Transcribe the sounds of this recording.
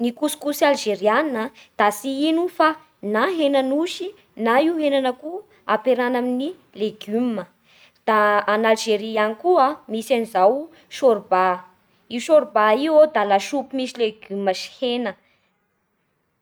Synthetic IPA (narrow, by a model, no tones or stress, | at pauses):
nikusu̥kusalʒeɾiannəd̪̥asiinufa | naɦenanuʃi | naiwɦenanəku | apeɾanamini | leɡymə | d̪̥aanalʒeɾianikuamisanizaw | ʃoɾba | iwʃoɾbaiwod̪alaʃupimisileɡyməʃi̥henə